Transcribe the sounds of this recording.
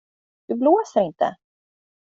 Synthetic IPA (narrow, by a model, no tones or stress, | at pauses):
d̪̥ɵbloːsəɾɪnt̪ə̰